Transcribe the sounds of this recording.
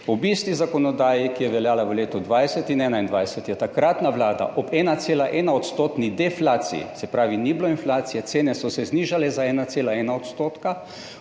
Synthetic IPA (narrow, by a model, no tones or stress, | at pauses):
ɔbist̪izakɔnɔd̪aːjikijɛʋɛljaːlaʋəleːt̪ɔd̪ʋajsɛt̪inɛːnaind̪ʋajsɛt̪jɛt̪akɾat̪naʋlaːd̪a̰ʔɔbɛːnat̪seːlaʔɛːnaɔt̪st̪oːt̪nid̪ɛflaːt̪sḭḭsɛpɾaːʋinibloinflaːt̪sijɛt̪seːnɛsɔsɛzniːʒalɛzaɛːnat̪seːlaɛːnaot̪st̪oːt̪ka